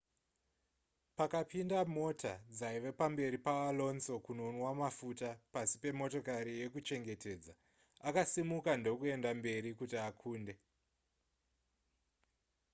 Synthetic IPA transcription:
pakapindamo̞tʰa̰d͡zaiʋepambe̞ɾipaalo̞nso̞kunonwamafutapasi̥pe̞mo̞to̞kaɾije̞kut͡ʃe̞ŋɡe̞te̞ːd͡za | akasimukando̞kue̞ndambe̞ɾikutiakʰuːnde̞

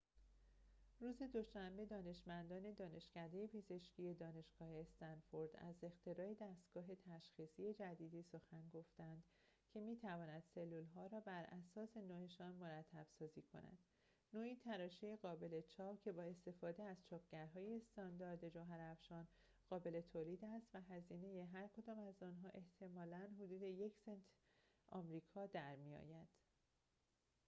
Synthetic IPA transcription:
ruːze̞d̪o̞ʃæmbe̞d̪ɒːne̞ʃmænd̪ɒːne̞d̪ɒːne̞ʃcæd̪eje̞pʰe̞ze̞ʃciːje̞d̪ɒːne̞ʃɡ̥ɒːhe̞ːst̪ænfo̞ɾd̪̥æ̰ze̞xt̪ʰe̞ɾɒːed̪æst̪ɡ̥ɒːɦe̞t̪ʰæʃxiːsije̞d͡ʒæd̪iːd̪iːso̞xænɡo̞ft̪ænd̪̥ | cʰe̞miːt̪ʰævɒːnæd̪̥se̞lːulɦɒːɾɒːbæɾʔæsɒːse̞noːeʃɒːnmo̞ɾæt̪ʰːæb̥sɒːziːkʰo̞̰næ̰d̪̥ | noːiːt̪ʰæɾɒːʃejeɣɒːbe̞le̞t͡ʃʰɒːpcʰe̞bɒːe̞st̪e̞fɒːd̪e̞æzt͡ʃʰɒːpʰɟ̥æɾɦɒːje̞st̪ɒnd̪ɒːɾd̪e̞d͡ʒoɦæɾæfʃɒːn | ɢ̥ɒːbe̞le̞t̪ʰoːliːd̪æst̪væɦæziːne̞jeɦæɾkʰo̞d̪ɒːmæzɒːnɦɒːʔe̞ht̪ʰe̞mɒːlænɦod̪uːd̪e̞je̞cʰsent̪ʰ | ʔɒ̰ːmɾiːkʰɒːd̪æɾmijɒ̰ːjæd̪̥

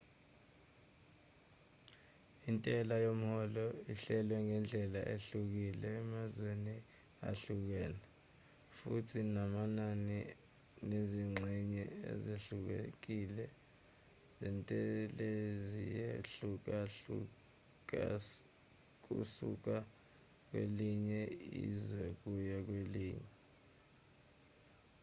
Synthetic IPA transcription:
intʼɛlajom̩hɔlɔiɬɛlwɛŋɛnd͡ɮʱɛla̰ʔeɬuk̬ilɛːmazweni | a̰ɬuk̬ɛːla | futʰinamanani | neziŋ͡ǀʱɛɲɛḛzeɬuk̬ḛk̬ilɛ | zɛntʼɛlezijeɬuk̬au | k̬ṵsṵk̬a | k̬wḛliɲɛḭzwɛk̬ujak̬weliːɲɛ

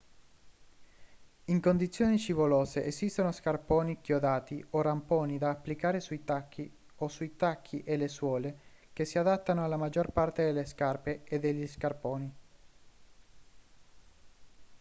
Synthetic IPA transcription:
iŋkond̪it̪sːjoːnit͡ʃivoloːzeʔezist̪onoskarpoːnikjod̪aːt̪iorampoːnid̪aːpːlikaːɾesuit̪akʰːi | osuit̪akʰːiʔeleswɔːle | kesːiad̪at̪ːanoalːamad͡ʒorpart̪ed̪elːeskarpeed̪ːeʎːiskarpoːni

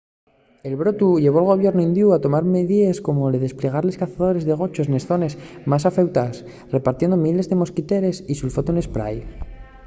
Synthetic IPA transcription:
e̞lβɾo̞t̪uʝe̞βoalɣ̞o̞β̞je̞ɾnuind̪juat̪o̞maɾmeðiesko̞moleðe̞sple̞ɣ̞aɾle̞skaθaðo̞ɾe̞zðe̞ɣ̞o̞t͡ʃo̞sne̞sθo̞ne̞smas̬afe̞wt̪as | re̞paɾt̪je̞nd̪omile̞zðe̞mo̞skit̪e̞ɾe̞sisulfot̪une̞spɾa̰j

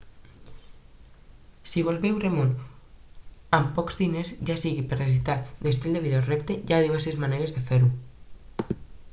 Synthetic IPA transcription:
siβ̞olβewremon | ampɔkzðinezʒasiɣipeɾresit̪atd̪est̪ild̪eβiðorept̪ejaðiβɛɾsezmaneɾezðefeɾu

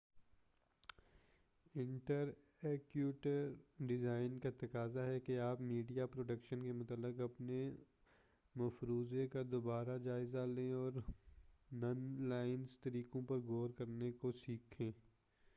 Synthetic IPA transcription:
ɪ̃ɳʈəɾ | ɛːkjuːʈəɾɖɪzaːɪnkat̪ɐkaːzaɦɛkeaːpmiːɖijapɾoːɖəkʃənkemʊt̪əlːɪkɐpne | mɐfɾuːzekad̪obaːɾad͡ʒaːɪzalẽɔːɾ | nɐnlaːɪnzt̪ɐɾiːkõpɐɾɡoːɾkɐɾnekosiːkʰẽː

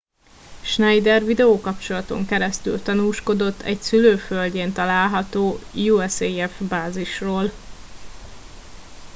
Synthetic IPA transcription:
ʃnɛjd̪ɛrvid̪ɛoːkɒpt͡ʃo̞lɒt̪o̞̰ŋkɛɾɛst̪y̰lt̪ɒnuːʃko̞d̪o̞t̪ːɛ̰csyløːfølɟeːnt̪ɒlaːlɦɒt̪oːjuɛseɛfbaːziʃroːl

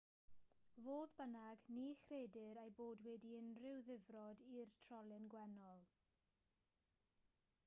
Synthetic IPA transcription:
voːðbənaɡniχreːdɪɾejboːdwɛdiɪnrɪwðɪvrɔdirtʰrɔlˠɪnɡwɛnɔlˠ

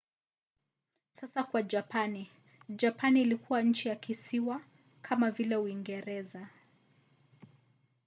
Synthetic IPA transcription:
sasakwad͡ʒapani | d͡ʒapaniːlikuwaɲ̩t͡ʃijakisiwa | kʰamavilɛuiŋɡɛɾɛza

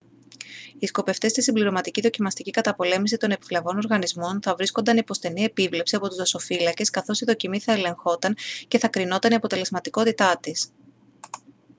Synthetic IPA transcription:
isko̞pe̞ft̪e̞st̪isimbliɾo̞mɐt̪iciðo̞cimɐst̪icikɐt̪ɐpo̞le̞misit̪o̞nepi̥flevo̞no̞ɾɣɐnizmo̞nθɐvɾisko̞nd̪ɐnipo̞st̪e̞nie̞pivle̞psiɐpo̞t̪uzðɐso̞filɐce̞skɐθo̞siðo̞cimiθɐe̞le̞ŋxo̞t̪ɐŋce̞θɐkɾino̞t̪ɐniɐpo̞t̪e̞le̞zmɐt̪iko̞t̪it̪ɐt̪is

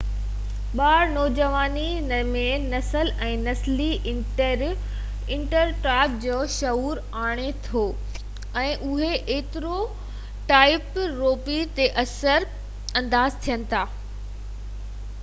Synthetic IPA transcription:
ɓaːɾnɔːd͡ʑəʋaːni | mẽnɐsəlɛ̃ːnɐsliɪ̃ɳʈəɾ | ɪ̃ɳʈəɾʈɾaːɪp̚d͡ʑoːʃɐɦuːɾ | aːɽ̃et̪ʰoː | ɛ̃ːʔʊɦeʔeːt̪ɪɾo | ʈaːɪpɾoːpit̪eʔɐsəɾ | ɐ̃nd̪aːzt̪ʰijənɪ̆t̪ʰaː

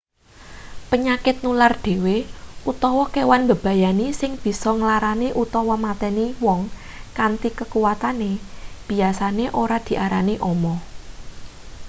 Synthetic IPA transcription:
pəɲakɪt̪̚nulard̪̥e̤weʔut̪ɔwɔkewanbə̤b̥ä̤janisɪŋb̥i̤sɔŋlaɾaniʔut̪ɔwɔmat̪ɛniwɔŋ | kant̪ikəkuwat̪aneb̥i̤asaneʔoɾad̪̥i̤ʔaɾaniʔɔmɔ

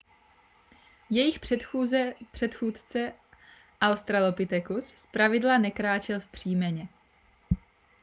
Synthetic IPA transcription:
jɛjɪxprɛuzpr̥ɛt̪xuːt̪t͡sɛ | ʔawst̪ɾalopɪt̪ɛkusspɾavɪdlanɛkɾaːt͡ʃɛlfpr̝̥iːmɛɲɛ

